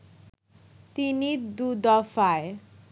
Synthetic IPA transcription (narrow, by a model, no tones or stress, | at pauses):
t̪inid̪ud̪ɔfae